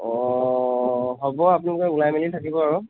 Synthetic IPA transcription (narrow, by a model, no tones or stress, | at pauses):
ɔ | ɦɔbɔapunalʊkɛulajmelitʰakibɔaɹu